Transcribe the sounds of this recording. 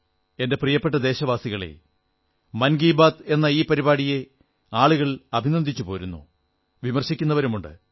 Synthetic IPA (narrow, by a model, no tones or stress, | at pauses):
e̞nde̞prijɐpːeʈ̬ːɐd̪e̞ːɕɐʋaːsiɣɐɭḛ | mɐnɡiːbaːd̪e̞nːɐiːpɐɾibaːɽije̞ | aːɭuɣɐɭɐbʱinɐnd̪ʱit͡ɕːupo̞ːɾunːṵ | ʋimɐrɕikʲːunːɐʋɐɾumuɳɖɨ̰